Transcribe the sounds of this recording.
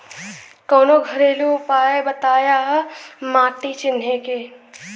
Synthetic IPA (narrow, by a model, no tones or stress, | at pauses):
kɔːnoɡʱɐɾeːluʊpaːebɐt̪aːjaɦmaːʈit͡ʃɪnɦekeː